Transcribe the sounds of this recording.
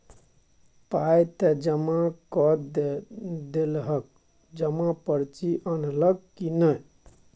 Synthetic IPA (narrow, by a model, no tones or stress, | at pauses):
pajt̪ɛd͡ʒəmakɔ | d̪elɦək̚ | d͡ʒəmapəɾt͡ʃiʔənləɡ̚kinəj